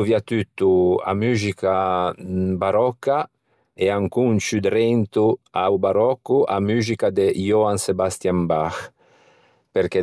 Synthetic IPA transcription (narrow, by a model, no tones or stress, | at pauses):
uviat̪yt̪ːua̰myzika | baɾɔkːa | eaŋkunt͡ʃyd̪ɾɛnt̪uawbaɾɔkːuʔa̰myzikad̪ejoansebast̪jambax | peɾke